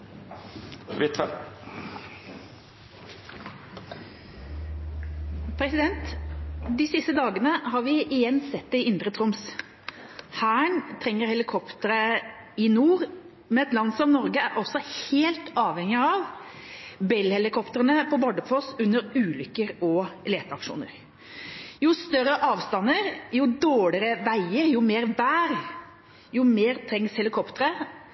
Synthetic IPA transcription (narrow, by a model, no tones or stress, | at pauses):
ʋɪt̪ɛ | pʰɾɛsɪd̪ɛnt̪d̪ɪsɪst̪əd̪ɑːɡənəhɑːʁʋɪʔɪjɛnːsɛt̪̚d̪ɛɪɪnd̪ɾət̪ʰʁʊms | hæːɳt̪ʰɾɛŋːəɾhɛlɪkʰɔpt̪əɾə | ɪnuːʁ | mɛnɛt̪lɑnd̪sɔmnɔɾɡəæɾʔɔsːɔheːlt̪ɑːʋhɛŋɪɑʋ | bɛlhɛlɪkʰɔpt̪əɾənəpʰɔbɔɖ̪əfɔsʉnːəɾʉːlʏkːəɾɔleːt̪əɑkʂṵːnə̰ɾ | jʊst̪œɾəʔɑːʋst̪ɑnːəɾjʊd̪oːɽɪɾəʋæɪəɾjʊmeːɾʋæːɾ | jʊmeːɾt̪ʰɾɛŋshɛlɪkʰɔpt̪əɾə